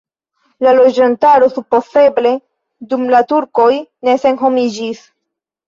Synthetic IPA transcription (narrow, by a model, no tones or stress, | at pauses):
lalo̞d͡ʒantaɾo̞supo̞se̞ble̞ | dumlatuɾko̞jne̞se̞nɦo̞mid͡ʒis